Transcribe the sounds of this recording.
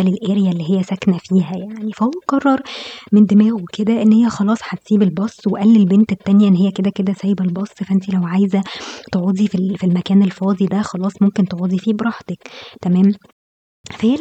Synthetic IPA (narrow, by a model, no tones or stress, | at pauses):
ælelʔeːɾjælːiːɦejːæsæknæfiːɦæjaʕnifæoqɑrˤːɑɾˤmend̪emæːwweked̪æʔenːhejːæxɑlɑːsˤħat̪siːbelbɑsˤːweʔælːelbent̪et̪ːænjæʔenːhejːæked̪æked̪æsæjbelbɑsˤːfæʔænt̪ilæwʕajzæt̪eʕuːd̪ˤififilmækæːnelfɑːd̪ˤid̪æxɑlɑːsˤmomkent̪eʕuːd̪ˤifiːbɾˤɑħt̪ækt̪æmæːm | fæhe